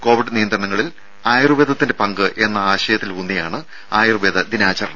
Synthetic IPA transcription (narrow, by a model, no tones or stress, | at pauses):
ko̞ːʋiɖnijɐnd̪ɾrɐɳɐŋːɐɭil | aːjrɨʋeːd̪ʱɐt̪ːinde̞pɐŋɡɨʔe̞nːɐaːɕɐjɐt̪ːilunːijaːɳɨ | aːjrɨʋed̪ɐd̪inaːt͡ɕːɐrɐɳɐm